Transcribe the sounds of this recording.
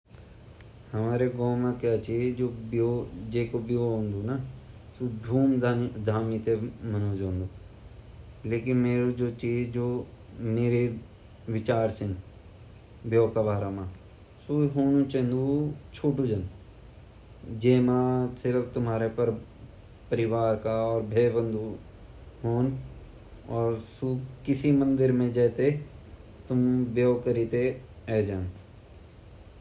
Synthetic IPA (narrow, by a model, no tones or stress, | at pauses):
həmaːɾeɡõːmãːkeət͡ʃid͡ʒoːbjod͡ʒeːkobjoːɦõːnd̪uːna | suːbʱuːmd̪ʱaːmit̪eːmənoːd͡ʒɦõːnd̪uː | leːkɪnmeːɾoːd͡ʒoːt͡ʃiːd͡ʒd͡ʒoː | meːɾe | ʋɪt͡ʃaːɾsɪn | bjoːkabaːɾamãː | suɦoːnũt͡ʃẽnd̪ut͡ʃʰuːʈud͡ʒən | d͡ʒeːmãsɪɾəbt̪ʊmɦaːɾepəɾ | pəɾɪʋaːɾkaɔːɾbʱeːbə̃nd̪ʱu | ɦoːn | ɔːɾsukɪsimə̃nd̪ɪɾmẽd͡ʒɛːt̪e | t̪ʊmbjoːkəɾit̪eɛːd͡ʒãːn